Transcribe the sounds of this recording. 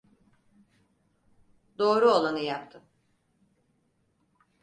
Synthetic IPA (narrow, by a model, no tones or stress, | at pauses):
d̪o̞ːɾuo̞lˠanɯjapt̪ʰɯm